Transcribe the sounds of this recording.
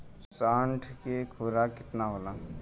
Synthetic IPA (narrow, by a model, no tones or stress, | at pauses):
saːɳʈʰkekʰoɾakɪt̪naɦoːlãː